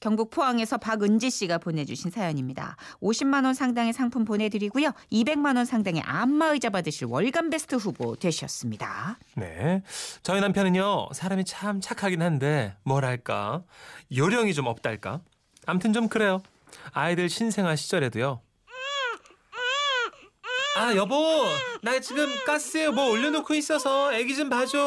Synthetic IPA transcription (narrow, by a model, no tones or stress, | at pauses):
kjʌŋbuk̚pʰoaŋe̞sʰʌpaɡɯnd͡ʑiɕ͈iɡapone̞d͡ʑuɕʰinsʰajʌɲimɲida̰oɕʰimːanwʌnsʰaŋdaŋesʰaŋpʰumpone̞dɯɾiɡujoibe̞ŋmanwʌnsʰaŋdaŋe̞̰ʔamːaɯid͡ʑabadɯɕʰinwʌɭɡanbe̞sʰɯ̥tʰɯɸubo̰twe̞ɕʰʌs͈ɯmɲida̰ | ne̞̰t͡ɕʌinampʰjʌnɯɲjʌsʰaɾamit͡ɕʰamt͡ɕʰakʰaɡinhande̞mwʌɾɦaɭk͈a̰joɾjʌŋit͡ɕomʌp̚t͈a̰ɭk͈a̰ː | mtʰɯnt͡ɕomkɯɾe̞jo | aidɯɭɕʰinsʰe̞ŋɦaɕʰi̥t͡ɕ͈ʌɾe̞dujo | ajʌbonaɡat͡ɕiɡɯmk͈as͈ɯjomwʌoʎːʌnokʰuis͈ʌsʰʌeɡid͡ʑɯmpad͡ʑo